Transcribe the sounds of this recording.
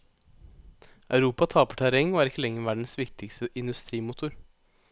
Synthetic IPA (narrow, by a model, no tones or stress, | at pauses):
ɑʉɾuːpɑt̪ʰɑːpəʈʰæɾɛŋoːæːɾɪkːəlɛŋːəʋæɖɳ̩sʋɪkt̪ɪkst̪əʔɪnd̪ʉst̪ɾiːmʊt̪ʰʊɾ